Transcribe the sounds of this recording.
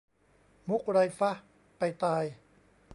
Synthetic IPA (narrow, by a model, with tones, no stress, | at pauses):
mu˦˥k̚ɾa˧jfa˦˥h | pa˧jt̪aː˧j